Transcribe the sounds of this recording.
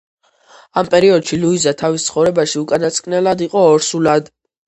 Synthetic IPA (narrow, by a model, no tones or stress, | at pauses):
ampʼɛɾiɔd̪ʃiluizat̪ʰavist̪sʰχɔvɾɛbaʃiukʼanat̪sʼkʼnɛlad̪iqʼɔːɾsulad̪